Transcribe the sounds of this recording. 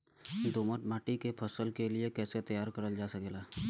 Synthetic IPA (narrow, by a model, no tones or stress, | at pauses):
d̪oːməʈmaːʈikepʰəsəlkeliekɛːset̪ɐjaːɾkəɾəld͡ʒaːsəkeːlaː